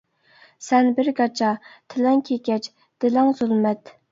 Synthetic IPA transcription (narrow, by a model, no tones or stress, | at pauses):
sɛnbɪɾɡɑt͡ʃʰɑt̪ʰɪlɛŋkʲʰekʲɛt͡ʃ | d̪̥ɪlæŋzulmɛt̪